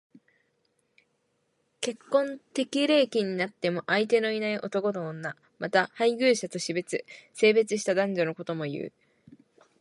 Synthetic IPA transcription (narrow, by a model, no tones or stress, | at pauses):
ke̞kːõ̞nt̪e̞kʲiɾe̞ːkʲiɲ̟inat̪ːe̞mo̞ʔait̪̬e̞no̞inaiʔo̞t̪o̞ko̞noõnːa | mat̪ahaiɡʲɯ̟ːɕat̪o̞ɕibet͡sɨse̞ːbe̞t͡sɨɕ̬i̥t̪ad̪ãɲ̟d͡ʑo̞no̞ko̞t̪o̞mo̞jɯ̟̰ː